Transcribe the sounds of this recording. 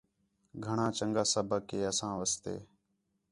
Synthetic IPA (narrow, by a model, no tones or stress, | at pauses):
ɡʱəɳãːt͡ʃəŋɡaːsəbʱəkeːəsãːʋəst̪ḛː